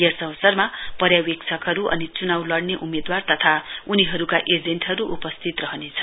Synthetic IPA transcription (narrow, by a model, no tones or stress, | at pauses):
jersʌwsʌrmapʌɾjawekt͡sʰʌkʌɾuʔʌ̰nit͡sunawlʌɽneʔumed̪wart̪ʌt̪ʰauniɦʌɾukaʔed͡zeɳʈɦʌɾuʔupʌst̪ʰit̪rʌɦʌnet͡sʰʌ